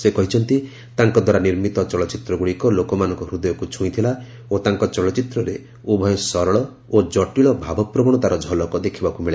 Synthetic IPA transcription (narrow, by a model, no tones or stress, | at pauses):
sekɔɦit͡ʃʰɔnt̪i | t̪aŋkɔd̪waɾaniɾmit̪ɔt͡ʃɔlɔt͡ʃit̪ɾɔɡuɭikɔlokɔmanɔ̃ŋkɔɾud̪ɔjɔkut͡ʃʰũit̪ʰila | ot̪aŋkɔt͡ʃɔlɔt͡ʃit̪ɾɔɾe | ubʱɔjɔ̃sɔɾɔɭɔ | od͡ʒɔʈiɭɔbʱabʱɔpɾɔbɔɽɔt̪aɾɔd͡ʒʱɔlɔkɔd̪ekʰibakumiɭe